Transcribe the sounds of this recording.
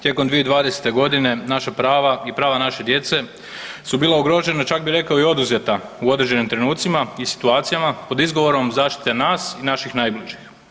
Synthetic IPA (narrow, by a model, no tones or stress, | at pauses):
t̪je̞ko̞md̪ʋijeid̪ʋaːd̪e̞se̥t̪e̞ɡo̞d̪ine̞naʃapɾaːʋaipɾaːʋanaʃe̞d̪je̞t̪se̞ | subiːlˠaoɡɾo̞ːd͡ʒe̞nat͡ʃak̚biɾe̞kaoio̞d̪uzjet̪auo̞d̪ɾed͡ʑenimt̪ɾe̞nuːt̪simaisi̥t̪uaːt̪sijamapo̞d̪izɡo̞ʋo̞ɾo̞mzaːʃt̪i̥t̪enaːsinaʃixnajbliʒix